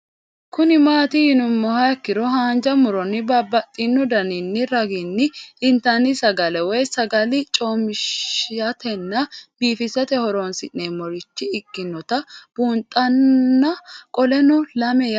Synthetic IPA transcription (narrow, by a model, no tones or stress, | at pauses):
kʊnɪmaːt̪ɪhɪnʊmːɔhɐɐkːɪɾɔɦaːnd͡ʒɐmʊɾɔnːɪbabːɐt̪ʼːɪnːɔd̪ɐnɪnːɪɾɐɡɪnːɪɪnt̪ɐnɪsɐɡɐlɛwɔjsɐɡɐlɪt͡ʃʼoːmɪʃɐt̪ɛnːɐb̥iːfɪsɛt̪ɛhɔɾoːnsɪnnemɔɾɪt͡ʃːɪɪkʼːɪnːɔt̪ɐb̥uːnt̪ʼɐnːɐkʼɔlɛnɔlɐmɛj